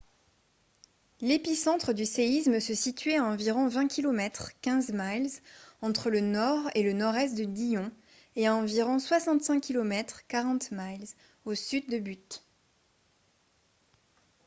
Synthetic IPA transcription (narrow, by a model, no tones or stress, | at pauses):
lepisɑ̃t̪χəd̪yseisməsəsit̪ɥeaɑ̃viʁɔ̃vɛ̃kʲʰilɔmɛt̪χkʲɛ̃zmalzɑ̃t̪χələnɔʁelənɔʁɛst̪̚d̪əd̪ijɔ̃ | eaɑ̃viʁɔ̃swasɑ̃t̪sɛ̃kʲːilɔmɛt̪χkaʁɑ̃t̪malz | osyd̪̚ːəbyt̪